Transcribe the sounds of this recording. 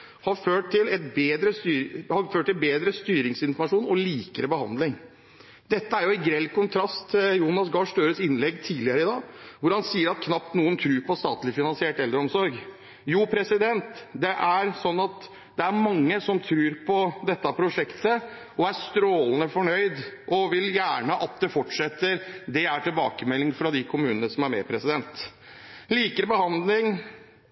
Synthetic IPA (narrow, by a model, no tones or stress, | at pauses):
hɑɾføːʈɪlɛt̪beːd̪ɾəst̪yːhɑɾføːʈ̪ɪlbeːd̪ɾəst̪yːɾɪŋsɪnfɔɾmɑʂuːnɔliːkəɾəbəhɑ̰nd̪lɪŋ | d̪ɛt̪ːəæɾjʊɪɡɾɛlkʊnt̪ʰɾɑst̪ʰɪjuːnɑsɡɑːʂt̪øːɾəsɪnːlɛɡt̪ʰiːlɪəɾəɪd̪ɑːʋʊɾhɑnsiːəɾɑt̪̚kʰnɑp̚t̪nuːənt̪ʰɾʉːɾpʰɔst̪ɑ̰ːt̪lɪfɪnɑnsɪeːʈɛld̪ɾəɔmsɔɾɡ | juːpʰɾɛsɪd̪ɛnt̪d̪ɛʔæɾsɔnːɑt̪ | d̪ɛæɾmɑŋːəsɔmt̪ʰɾʉːɾpʰɔd̪ɛt̪ːɑpʰɾʊʂɛkt̪ə | ɔæst̪ɾoːlənəfɔɳœʏd̪ʔɔʋɪljæːɳəʔɑt̪̚d̪ɛfɔʈʂɛt̪ːəɾd̪ɛæʈɪlbɑːkəmɛlːɪŋfɾɑd̪ɪkʰʊmʉːnənəsɔmæɾmɛ̰pʰɾɛsɪd̪ɛnt̪ | liːkəɾbəhɑnd̪lɪŋ